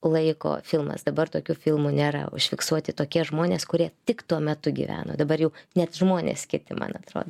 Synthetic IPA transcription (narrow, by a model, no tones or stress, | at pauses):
lˠɐɪko̰ːfʲɪlˠmɐ̰sd̪ɐbɐrt̪oːkʲuːfʲɪlˠmunʲeːɾɐ̰ʊ̰ʃʲfʲɪksuɔt̪ʲɪt̪oːkʲiɛʒmoːnʲeːskʊɾʲiɛt̪ʲɪkt̪uɔmʲɛt̪ʊɡʲḭʋʲæ̰ːno̰ːd̪ɐbɐrjɛʊnʲɛt̪ʒmoːnʲḛskʲɪt̪ʲɪmʔɐ̰nɐt̪ɾo̰ːd̪o